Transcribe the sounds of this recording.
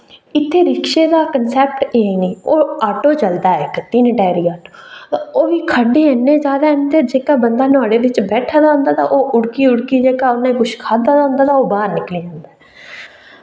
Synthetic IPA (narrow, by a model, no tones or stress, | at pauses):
ɪt̪ʰːeːɾɪkʃeːd̪aːkənsɛːp̚ʈeːiniːoːaːʈoːt͡ʃəld̪aːɛːkət̪iːnʈɛːɾiːaːʈooːʋiːkʰəɖeːɛnːeːd͡ʒaːd̪aːɛ̃nd̪eːd͡ʒeːkaːbənd̪aːnɔ̃ːɽeːʋɪt͡ʃbɛːʈʰaːd̪aːɦʊ̃nd̪aːt̪ã̰ːʔoːʔʊɽkiːʊɽkiːd͡ʒeːkaːʊnːãːĩkʊʃkʰaːd̪aːd̪aːɦʊ̃nd̪aːt̪ãːoːbaːɾnɪkliːd͡ʒãːnd̪aːɦː